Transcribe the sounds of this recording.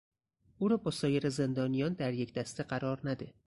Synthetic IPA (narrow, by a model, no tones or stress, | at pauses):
ʔuɾɒːbɒsɒːjeɾeze̞nd̪ɒːnijɒnd̪æɾjecʲd̪æst̪ʰeɢæɾɒɾnæd̪e